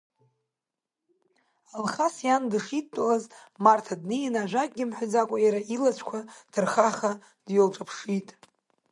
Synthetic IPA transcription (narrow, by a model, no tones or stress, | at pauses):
alχasjandɨʂit̚tʷʼalazmartʰadnɨjinaʒʷᶣakʼɡʲɪmħʷʊd͡zakʷʼajaɾaʔilat͡ɕʷʰkʷʰatʰɨrχaχa | d̥jolʈ͡ʂʼapʰʂitʼ